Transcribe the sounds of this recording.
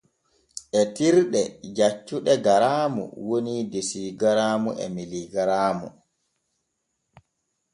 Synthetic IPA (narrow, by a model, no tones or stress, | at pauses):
ʔɛtiɾɗɛd͡ʒat͡ʃːuɗɛɡaɾaːmṵwonidesiɡaɾaːmuʔɛ̰miliɡaɾaːmṵ